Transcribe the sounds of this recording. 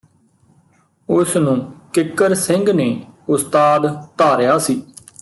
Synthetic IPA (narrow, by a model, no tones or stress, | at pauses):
ʊsnũːkɪkːəɾsɪ̃ŋɡneːʊst̪aːd̪t̪aːɾjaːsiː